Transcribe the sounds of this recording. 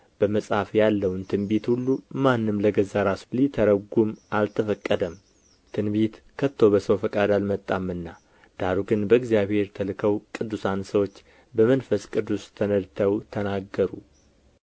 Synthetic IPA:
b̥əməsʼhafjalːəwnt̪ʰɨnbet̪hulːumanːɨmləɡəzaɾaslit̪ʰəɾəɡumʔalt̪ʰəfəkʼːəd̪əm | t̪ʰɨnbit̪ | kʰət̪ʰːo̞bəsəwfəkʼad̪almət̪ʼːamːɨnːa | d̪̥aɾuɡɨnbəɨɡzijaβhe̞ɾt̪ʰəlɨkʰəwkʼɨd̪ːusansəwot͡ʃː | bəmənfəskʼɨd̪ːust̪ʰənəd̪t̪ʰəwt̪ʰənaɡːəɾu

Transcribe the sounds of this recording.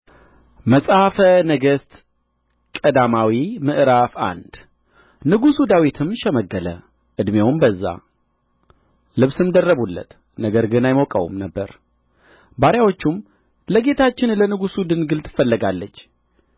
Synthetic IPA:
məsʼfənəɡəst̪ | kʼəd̪amawimɨʔɾafa̰nd̪̥ | nɨɡusud̪awit̪ʰɨmʃɛməɡːələ̰ | ʔɨd̪mjewmbəzːa̰ | lɨβsɨmd̪ərːəβulːə̰t̪ | nəɡəɾɡɨnajmokʼə̰wṵmnəbːəɾ | baɾjawot͡ʃːum | ləɡe̞t̪ʰat͡ʃːɪnlənɨɡusud̪ɨnɡɨlt̪ʰɨ̥fəlːəɡalːət͡ʃː

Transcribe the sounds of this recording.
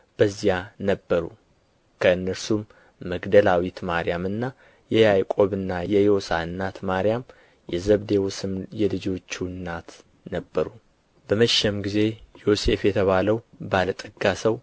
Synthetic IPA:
b̥əzːijanəbːəɾu | kʰəɨnːəɾsumː | əɡd̪əlawit̪maɾijamɨnːa | jɛjajkʼo̞βɨnːajɛjo̞sa̰ɨnːat̪maɾijam | jɛzəβd̪ewsɨmjɛlɨd͡ʒo̞t͡ʃːunːat̪ | nəbːəɾu | bəməʃɛmɡize̞jo̞se̞fjɛt̪ʰəβaləwbalət̪ʼɨɡːasəw

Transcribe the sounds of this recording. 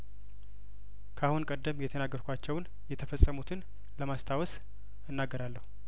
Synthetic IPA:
kʰahunkʼəd̪ːəmjɛt̪ʰənaɡːəɾkʷat͡ʃːɛwn | jɛt̪ʰəfəsʼːəmut̪ʰɨn | ləmast̪ʰawɔs | ɨnːaɡːəɾalːəhu

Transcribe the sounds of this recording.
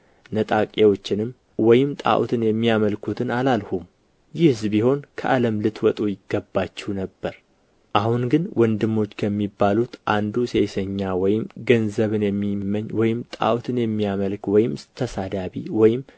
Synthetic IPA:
nət̪ʼakʼewo̞t͡ʃːɪnɨm | wɔjɪmt̪ʼa̰ʔw̰t̪ʰɨnjɛmːijaməlkʰut̪ʰɨnalalhum | jɪhɨzbiho̞nkʰəʔaləmlɨt̪ʰwɔt̪ʼujɪɡːəbːat͡ʃːɛwnəbːəɾ | ʔahunɡɨnwɔnd̪ɨmːo̞t͡ʃːkʰəmːibːalut̪ʔand̪usejsəɲːawɔjɪmɡənzəβɨnjɛmːiməɲwɔjɪmt̪ʼa̰ʔt̪ʰɨnjɛmːijaməlkwɔjɪmsɨt̪ʰːəsad̪aβiwɔjɪm

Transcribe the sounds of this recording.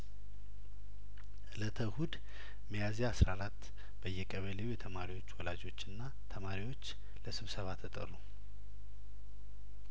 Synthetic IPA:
ʔɨlət̪ʰəhud̪ | məjazeasɾaɾat̪ː | b̥əjːɛkʼəβəleujɛt̪ʰəmaɾiwo̞t͡ʃːwɔlad͡ʒo̞t͡ʃːɨnːa | t̪ʰəmaɾiwo̞t͡ʃː | ləsɨβsəβat̪ʰːət̪ʼə̰ru

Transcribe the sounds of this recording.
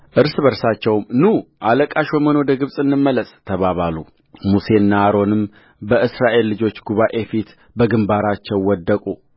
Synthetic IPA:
ʔɨɾsɨβəɾsat͡ʃːɛwmnuʔaləkʼaʃoməno̞d̪əɡɨβsʼɨnːɨmːələsʼt̪ʰəβaβalu | muse̞ɨnːahaɾo̞nɨm | bəʔɨsɾaʔe̞lːɨd͡ʒo̞t͡ʃːɡuβaʔefit̪ | bəɡɨmbaɾat͡ʃːɛwwːɔd̪ːəkʼu

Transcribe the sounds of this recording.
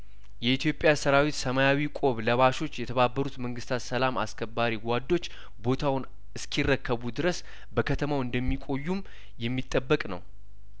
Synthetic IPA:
jɛit̪ʰjo̞pʼːjasəɾawet̪səmajawikʼo̞βləβaʃo̞t͡ʃːjɛt̪ʰəβabːəɾut̪məŋɡɨst̪ʰat̪səlama̰skʰəbːaɾiɡʷad̪ːo̞t͡ʃː | bo̞t̪ʰawʊn | ɨskʰirːəkʰːəβud̪ɨɾəs | bəkʰət̪ʰəmawɨnd̪əmːikʷʼo̞jːum | jɛmːit̪ʼːəbːəkʼnə̰w

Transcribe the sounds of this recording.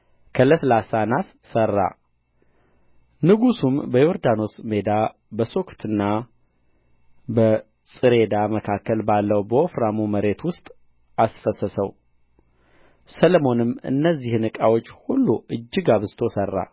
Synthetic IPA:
kʰələslasanas | sərːa̰ | nɨɡusumbəjoɾd̪ano̞sme̞d̪a | bəso̞kʰt̪ʰɨnːa | bə | sʼɨɾe̞d̪aməkʰakːəlbalːəwbəofɾamuməɾe̞t̪wʊst̪ʼ | asfəsəsəw | səlmo̞nɨmɨ̰nːəzːihnɨkʼawo̞t͡ʃːhulːuɨd͡ʒːɨɡaβɨzt̪ʰosərːa̰

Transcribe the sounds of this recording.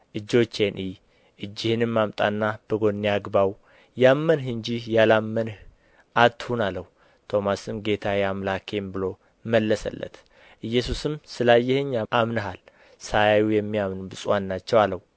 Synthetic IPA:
ʔɨd͡ʒːo̞t͡ʃːe̞nʔi | ʔɨd͡ʒːɪhɨnɨmːamt̪ʼa̰nːab̥əɡo̞nːiaɡbaw | jamːənhɨnd͡ʒijalamːənh | ʔat̪ːhunaləhu | t̪ʰo̞masɨmɡe̞t̪ʰajamlakʰe̞mbɨlo̞ | məlːəsə̰lːə̰t̪ | ʔɨjːɛsusɨmsɨlajːɛhɨɲːaʔamnəɦal | sajajujɛmːijamnubɨsʼwanːat͡ʃːɛwaləw

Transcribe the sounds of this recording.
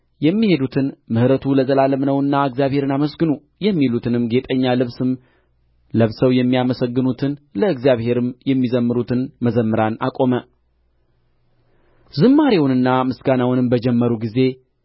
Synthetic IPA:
jɛmːihe̞d̪ut̪ʰɨnmɨhɾət̪ʰuləzəlaləmnəwɨnːaɨɡzijaβhe̞ɾɨnaməsɡɨnu | jɛmːilut̪ʰɨnɨmɡe̞t̪ʼəɲːalɨβsɨm | ləβsəwjɛmːijaməsəɡːɨnut̪ʰɨnləɨɡzijaβhe̞ɾɨmjɛmːizəmːɨɾut̪ʰɨnməzəmːɨɾanakʼo̞mə | zɨmːaɾewnɨnːamɨsɡanawnɨmbəd͡ʒɛmːəɾuɡize̞

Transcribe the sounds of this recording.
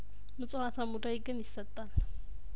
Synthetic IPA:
mɨt͡sʼuhat̪ʰamud̪ajɡɨnjɪsːət̪ʼːal

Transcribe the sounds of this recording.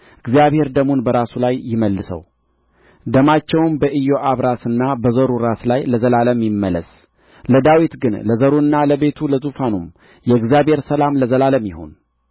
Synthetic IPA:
ɨɡzijaβhe̞ɾd̪əmunbəɾasulajːɪməlːɨsə̰w | d̪əmat͡ʃːɛwnbəʔɨjo̞ʔaβɾasɨnːabəzəɾuɾaslajləzəlaləmjɪmːələ̰s | ləd̪awit̪ɡɨnləzəɾuɨnːaləβe̞t̪ʰuləzufanum | jɛɨɡzijaβhe̞ɾsəlamləzəlaləmjɪho̞̰n

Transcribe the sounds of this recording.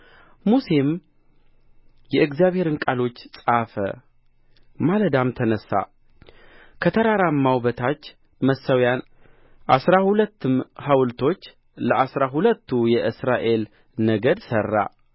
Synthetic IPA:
muse̞m | jɛɨɡzijaβhe̞ɾɨnkʼalo̞t͡ʃːsʼafə̰ | maləd̪amt̪ʰənəsːa̰ | kʰət̪ʰəɾaɾamːawbət̪ʰat͡ʃː | məsːəwjan | ʔa̰sɾahulət̪ʰːɨmhawlt̪ʰo̞t͡ʃː | ləʔasɾaɦulət̪ʰːujɛʔɨsɾaʔe̞l | nəɡəd̪sərːa̰

